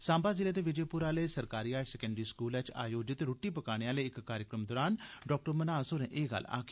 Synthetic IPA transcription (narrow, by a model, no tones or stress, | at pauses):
sãːmbaːzɪleːd̪eːʋɪd͡ʒeːpʊɾaːləiːsəɾkaːɾiːaːʈsɛːkə̃ɳɖəɾiːskuːlɛːt͡ʃa̰ːjoːd͡ʒɪt̪ɾoːʈːiːpəkaːɽ̃eːaːləːɪkkːaːɾjəkɾəmd̪oːɾaːnɖɔːk̚ʈəɾmənaːsoːɾɛ̰̃ːʔeːɡə̰lːa̰ːɡ